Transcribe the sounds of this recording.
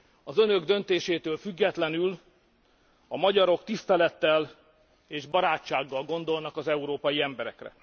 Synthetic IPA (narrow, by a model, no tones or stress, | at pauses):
ɒzønø̞ɡd̪ø̞nt̪eːʃeːt̪øːlfyɡːɛt̪lɛnyl | ɒmɒɟɒɾo̞kt̪ist̪ɛlɛt̪ːɛl | eːʒbɒɾaːt͡ʃːaːɡːɒlɡo̞nd̪o̞lnɒkɒzɛuɾoːpɒjiɛmbɛɾɛ̰krɛ̰